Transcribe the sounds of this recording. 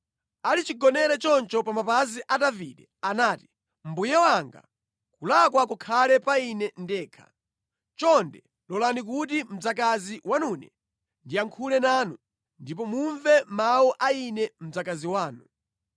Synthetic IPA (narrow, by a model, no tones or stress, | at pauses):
alit͡ʃiɡɔnɛɾɛt͡ʃɔnt͡ʃɔpamapaziʔadaviɗɛ | anaːti̥ | m̩bujɛwaŋɡa̰ | kulakwakɔkʰalɛpainɛndɛːkʰa̰ | t͡ʃɔndɛ | lɔlanik̬utim̩d͡zakaziwanuːnɛ̰ | ndiaŋkʰulɛnaːnu | ndip̬ɔmuɱvɛmawɔʔainɛm̩d͡zakaziwaːnu